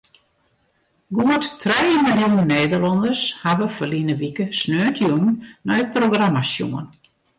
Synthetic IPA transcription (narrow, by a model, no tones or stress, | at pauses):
ɡuəttrejmɪlˠjunnːeːdəlɔndəshaʋəfəlinəʋikəsnøːtʰjunnnɔjəproɡramasjṵən